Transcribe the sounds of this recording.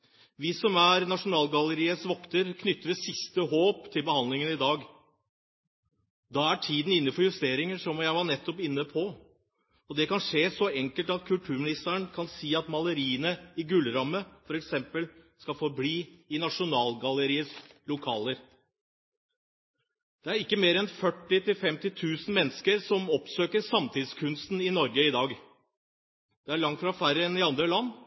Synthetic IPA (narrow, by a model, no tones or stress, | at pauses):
ʋɪsɔmæɾnɑʂʊnɑːlɡɑləɾiːəsʋɔkt̪əɾkʰnʏt̪ːəɾəsɪst̪əɦoːpt̪ʰɪlbəhɑnd̪lɪŋənɪd̪ɑːɡ | d̪ɑːæʈʰiːd̪n̩ɪnːəfɔɾjʉst̪eːɾɪŋəʂɔmjæɪʋɑɳɛt̪ːɔpɪnːəpʰɔ | ɔd̪ɛkɑnʂeːsɔɛŋkəlt̪ɑt̪̚kʰʉlʈ̪ʰʉːɾmɪnɪst̪əɳkʰɑnsiːɑt̪mɑləɾiːənəɪɡʉlɾɑmːəfɔɾɛksɛmpəlskɑfɔɾbliːɪnɑʂʊnɑːlɡɑləɾiːəslʊkʰɑːləɾ | d̪̥ɛæɾɪkːəmeːɾɛnfœʈːɪt̪ʰɪlfɛmt̪ɪt̪ʰʉːsn̩mɛnːəskəɾsɔmɔpsøːkəɾsɑmt̪ʰɪd̪skʰʉnst̪n̩ɪnɔɾɡəɪd̪ɑːɡ | d̪̥ɛæɭɑŋt̪fɾɑfæɾəɛnɪɑnd̪ɾəlɑnː